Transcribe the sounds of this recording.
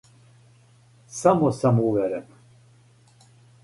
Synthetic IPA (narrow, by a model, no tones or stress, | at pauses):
samɔsamuvɛɾɛp